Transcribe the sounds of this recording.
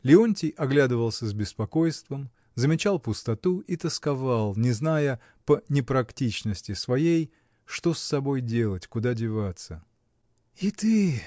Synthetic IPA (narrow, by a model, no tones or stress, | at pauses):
lʲɪonʲtʲɪjɐɡlʲad̪ɨvəlˠsʲəzbʲɪspɐko̞jst̪vəm | zəmʲɪt͡ɕalˠpʊst̪ɐt̪uʔit̪əskɐvalˠnʲɪznajə | pənʲɪpɾɐktʲit͡ɕnəsʲtʲɪsvɐjej | ʂt̪o̞sːɐbo̞jdʲe̞lˠətʲkʊd̪adʲɪvat̪sə | it̪ɨ